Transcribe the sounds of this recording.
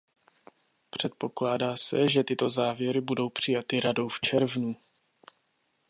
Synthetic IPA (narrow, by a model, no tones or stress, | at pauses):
pr̝̥ɛt̪̚po̞klaːdaːsɛʒɛt̪ɪt̪o̞zaːvjɛɾɪbudo̞wpr̝̥ɪjat̪ɪɾado̞wft͡ʃɛɾvnu